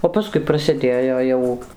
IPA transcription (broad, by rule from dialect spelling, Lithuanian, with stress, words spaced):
oː pɐˈskʊɪ prɐsʲɪˈdʲeːjoː ˈjɛʊ